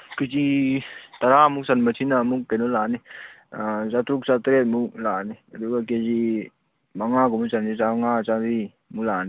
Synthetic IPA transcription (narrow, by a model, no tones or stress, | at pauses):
ket͡ʃit̪aɾamuksanmət͡ʃʰinamuk̚kenolaːni | zat̪ɾuk̚sat̪ɾet̪̚muklaːnidukaked͡ʒi | maŋaɡomusand͡ʒizaŋat͡ʃaɾi | mulaːni